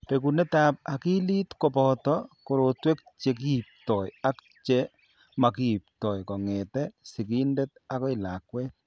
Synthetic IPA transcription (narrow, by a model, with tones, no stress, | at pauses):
pe˨kunɛ˦ta˨p̚a˨ki˦li˦tkɔ˨pɔtɔ˦ko˨ɾotwe˦k̚t͡ʃe˨k̬i˦i˨p̚tɔ˨ja˦k | t͡ʃe˦ | ma˨ki˦i˨p̚tɔ˨jkɔ˨ŋɛ˨tɛ˦si˨ki˦nde˦ta˦kɔ˦ɪ˨la˨kwɛ˦t